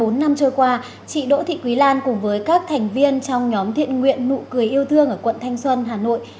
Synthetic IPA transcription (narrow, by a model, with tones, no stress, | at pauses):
o˨˦nːa˧mt͡ɕəː˧˩jkwaː˧ | t͡ɕḭ˧˨ɗo̰˧˥t̪ʰḭ˧˨kwi˨˦laː˧nkʊ˨˩ŋ͡mvəː˨˦jkaː˦˥k̚t̪ʰɛ˨˩jŋ̟vi˧ənt͡ɕɔ˧wŋ͡mɲɔ˨˦mt̪ʰḭ˧˨ənŋwḭ˧˨ənːṵ˧˨kɨ˨˩əjʔi˧əwt̪ʰɨ˧əŋʔəː˧˩kwə̰˧˨nt̪ʰa˧jŋ̟swə˧nɦaː˨˩no̰˧˨j